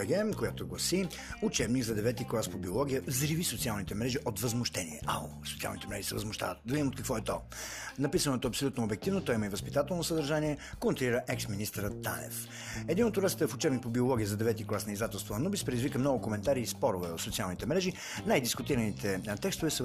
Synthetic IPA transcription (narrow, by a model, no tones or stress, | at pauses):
ɛɡɛmkojat̪oɡlˠɐsi | ut͡ʃɛbniɡzɐd̪ɛvɛt̪iklˠaspobiolˠɔɡ̟ʲijəzɾivisot̪sialˠnit̪ɛmɾɛʒiʔot̪vɐzmʊʃt̪ɛnḭɛ̰ʔa̰o̰so̥tsia̰lˠnit̪ɛmɾɛ̰ʒisɛvə̰zmʊʃt̪a̰vət̪d̪ɐvid̪imot̪kɐkvɔɛt̪ɔ | nɐpisənot̪oɐpsolʲut̪noːbɛk̚t̪ivnot̪ɔiməivəspit̪at̪ɛlˠnosəd̪ɐɾʒaniɛkont̪ɾoliɾəʔɛksminist̪ɾət̪ːa̰nɛ̰f | ɛd̪inot̪ʊɾɛst̪əɛfʊt͡ʃɛbnik̚pobiolˠɔɡʲiəzɐd̪ɛvɛt̪iklˠasnizd̪at̪ɛlˠst̪voɐnubispɾɛd̪izvikəmnɔɡʊkomɛnt̪aɾiːspɔɾʊvɛot̪sot̪sialˠnit̪ɛmɾɛʒi | najd̪iskʊt̪iɾənit̪ɛt̪ɛkst̪ovɛsə